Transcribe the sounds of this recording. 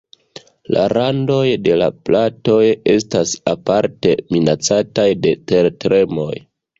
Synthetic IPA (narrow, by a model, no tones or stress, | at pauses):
la̰ɾando̞jde̞la̰plato̞je̞stasapaɾte̞minat͡satajde̞te̞ɾtɾe̞mo̞j